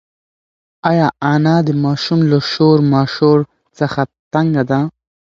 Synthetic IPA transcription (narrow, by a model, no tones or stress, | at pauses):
ɑjɑanɑd̪əmɑʃumlaʃoɾmɑʃoɾ | t͡səxat̪aŋɡad̪a